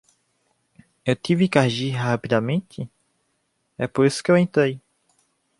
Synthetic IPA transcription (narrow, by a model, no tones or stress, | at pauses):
ewt̪ivɪkaɾʒiɦapid̪amẽt̪ɪ | ɛpoɾisʊ̥kɪewẽnt̪ɾej